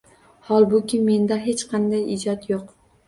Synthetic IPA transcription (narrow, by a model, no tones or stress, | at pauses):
hɒlˠbʊkʲɪme̞nd̪aɦet͡ʃqʰɑnd̪ajɪd͡ʒɒt̪joq